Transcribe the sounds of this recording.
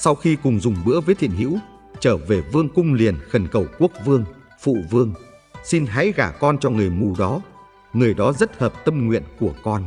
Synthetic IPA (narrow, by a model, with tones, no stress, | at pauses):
sa˧wxi˧kʊ˨˩ŋ͡mzʊ˨˩ŋ͡mɓɨ̰˧˥əvəː˨˦jt̪ʰḭ˧˨ənɦḭ˧˥w | t͡ɕəː˧˩ve˨˩vɨ˧əŋkʊ˧ŋ͡mli˨˩ənxə˨˩nkə˨˩wku˦˥ək̚vɨ˧əŋ | fṵ˧˨vɨ˧əŋ | si˧nɦa̰ː˧˥jɣaː˧˩kɔ˧nt͡ɕɔ˧ŋɨ˨˩əjmu˨˩ɗɔ˨˦ | ŋɨ˨˩əjɗɔ˨˦zə˦˥t̚həː˨˩p̚t̪ə˧mŋwḭ˧˨ənku˧˩əkɔ˧n